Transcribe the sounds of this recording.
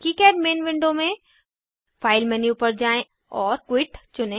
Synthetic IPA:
kiːkɛːɾmeːnʋɪ̃ɳɖomẽ | faːɪlmɛniʊpəɾd͡ʑaːẽ | ɔːɾkwɪʈt͡ɕʊnẽ

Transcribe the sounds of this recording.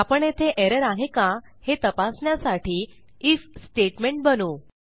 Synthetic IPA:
apəɳet̪ʰeʔeɾəɾaɦekã | het̪əpasɳjasaʈʰiː | iksʈeʈmeɳʈ̚bənuː

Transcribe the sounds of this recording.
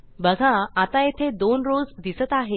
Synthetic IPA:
bəɡʱaat̪ajet̪ʰed̪onɾod͡zd̪isət̪aɦe

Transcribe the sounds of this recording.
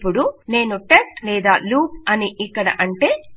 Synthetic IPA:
pːuɽune̞ːnuʈe̞sʈlɛːd̪aːluːp̚ɐniʔikːɐɽɐ̰ʔɐɳʈe̞ː

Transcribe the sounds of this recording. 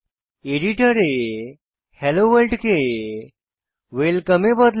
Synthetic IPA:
eɽiʈəɾe | hɛloʋəlʈke | ʋelkəmebəd̪

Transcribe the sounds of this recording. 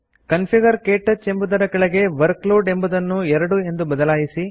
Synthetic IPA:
kɐnpʰiɡɐɾkeːʈːɐt͡ʃːembud̪ɐɾɐɡɐɭeɡe̞ʋɐɾkloːɖe̞mbud̪ɐnːuɛɾɐɽue̞nd̪ubɐd̪ɐlaːjisi

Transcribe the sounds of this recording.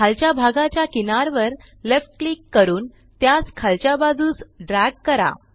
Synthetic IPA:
kʰalt͡ɕjabʱaɡat͡ɕjakinaɾʋəɾ | lefʈ̚klikːəɾuːn | t̪jat͡skʰalt͡ɕjabad͡zuːt͡sɖɾæɡ̚kəɾa̰

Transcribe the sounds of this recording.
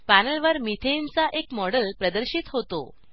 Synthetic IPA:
pænəlʋəɾmit̪ʰent͡saʔekmɔɽəlpɾəd̪əɾɕit̪ɦot̪o̰

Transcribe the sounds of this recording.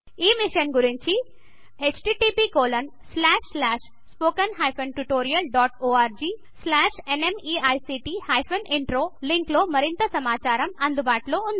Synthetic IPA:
iːmiʂɐnɡuɾiɲt͡ʃi | et͡ʃʈiːʈiːpiːkoːlɐn | slaːʂslaːʂ | spoːkɐnɦaːjpʰɐnʈuʈoːɾijɐlɖɔːʈoːaːɾd͡ʒiː | slaːʂenemiːɐjsiːʈiːhaːjpʰɐniɳʈɾoːliŋkloːmɐɾint̪ɐsɐmaːt͡ʃaːɾɐmɐnd̪ubaːʈloːund̪

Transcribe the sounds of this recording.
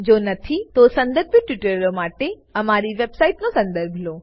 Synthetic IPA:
d͡ʑoːnɐt̪ʰit̪osɐ̃nd̪əɾbʱoʈʋɪʈəɾlomaːʈe | ɐmaːɾiʋeːbsaːiʈnosɐ̃nd̪əɾbʱloː

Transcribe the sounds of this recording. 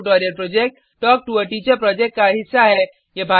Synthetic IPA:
ʈɔːɾijəɾpɾoːd͡ʒek̚ʈ | ʈːɔːk̚ʈuəɾʈiːt͡ʃəɾpɾɔːd͡ʒekʈ̚kaɦɪsːaɦɛ | jebʱa

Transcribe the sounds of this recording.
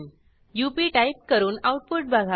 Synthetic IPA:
jupiːʈajp̚kəɾuːnauʈ̚puʈ̚bʱaɡʱa

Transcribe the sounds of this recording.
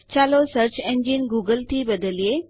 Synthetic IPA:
t͡ɕaːlosəɾt͡ɕẽnd͡ʑinɡuːɡəlt̪ʰibɐd̪əlie

